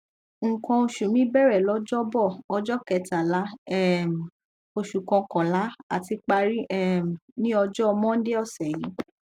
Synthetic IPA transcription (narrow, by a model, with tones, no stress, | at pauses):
ŋ̩˨kɔ̃˧o˧ʃu˨mĩ˦bɛ˦˨ɾɛ˨lɔ˨˦d͡ʒɔ˦bɔ˦˨ɔ˧d͡ʒɔ˦kɛ˨ta˨la˨˦ɛ˦˨m˨ | o˧˨ʃu˨kɔ̃˧kɔ̃˨la˨˦a̰˨ti˧k͡pa˧ɾi˦ɛ˦˨m˨nĩ˦ɔ˧d͡ʒɔ˦ɔ˧mɔ̃˦n̩˦de˦ɔ˦˨sɛ˨ji˨˦